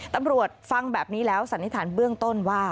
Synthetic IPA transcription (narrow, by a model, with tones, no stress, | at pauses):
t̪a˧mɾu˨˩ət̪̚fa˧ŋbɛː˨˩p̚niː˦˥lɛː˦˥wsa˨˦nːi˦˥t̪ʰaː˩˦nbɯ˥˩əŋt̪o˥˩nwaː˥˩